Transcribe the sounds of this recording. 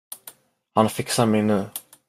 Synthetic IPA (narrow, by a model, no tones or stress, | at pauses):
hanfɪksamɛjnʉ̟ː